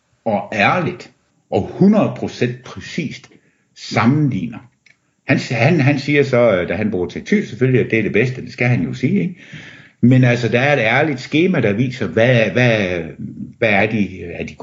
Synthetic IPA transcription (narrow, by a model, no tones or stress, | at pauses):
ɒ̽æɐlid̥ | ʔɒ̽hunɐð̩ˠpʰʁo̝sen̰d̥̚pʰʁɛsḭːsd̥ | sɑ̈mn̩lḭːnɐ | hænshænɦænsiːɐsɒ̽d̥æɦænb̥uːɐt͡sʰeɡ̚t͡sʰyseføljiæd̥e̝ɐd̥e̝b̥esd̥əd̥e̝sɡ̥æɦænjo̝siːeɡ̥ | menælsɐd̥ææɐe̝d̥æɐlid̥sɡ̥e̝ːmæɾ̥ɑ̈ʋḭːsɐʋæʋæ | ʋææɐd̥iæɐd̥iɡ